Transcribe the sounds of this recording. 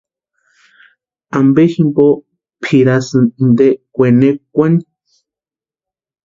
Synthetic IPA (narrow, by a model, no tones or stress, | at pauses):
ambeximbo | pʰiɾasɨnnd̪ekʷenek̚ʷani